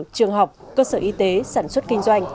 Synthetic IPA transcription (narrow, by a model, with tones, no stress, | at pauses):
t͡ɕɨ˨˩əŋɦa˨˩wk͡p̚kəː˧səː˧˩ʔi˨˧˦t̪e˨˦saː˧˩nswə˦˥t̚kï˧ŋ̟zwa˧jŋ̟